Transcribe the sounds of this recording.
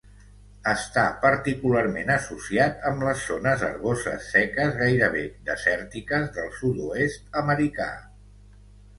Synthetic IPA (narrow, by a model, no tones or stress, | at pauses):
əst̪apəɾt̪ikularmenəsusiat̪əmləsːonəzə̰ɾɣozə̰sːɛkəzɣajɾəβ̞ed̪əsɛɾt̪ikəzðəlˠsud̪uest̪əməɾika̰